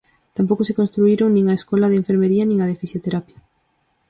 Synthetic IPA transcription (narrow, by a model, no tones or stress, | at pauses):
t̪ampowkosekõnst̪ɾuiɾoŋnĩŋaeskolɐðeɱfeɾmeɾiɐnĩŋaðefisjot̪eɾapjɐ